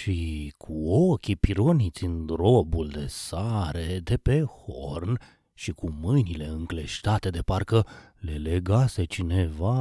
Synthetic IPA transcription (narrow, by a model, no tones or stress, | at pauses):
ʃikʰuokʲipiɾo̞nit̪sʲɨnd̪ɾo̞buld̪e̞saɾe̞d̪e̞pe̞horn | ʃikumɨjnile̞ɨŋkle̞ʃt̪at̪e̞d̪e̞parkə | le̞le̞ɡase̞t͡ʃine̞va